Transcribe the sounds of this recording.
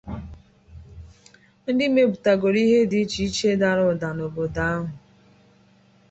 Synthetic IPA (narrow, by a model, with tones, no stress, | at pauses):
n̩˦dɪ˦me˦bu˨ta˨ɡo˨ɾi˦ɦe˦di˦t͡ʃi˨˦t͡ʃe˦da˨ɾʊ˦˨da˨no˨bo˨da˦a˦ɦʊ˨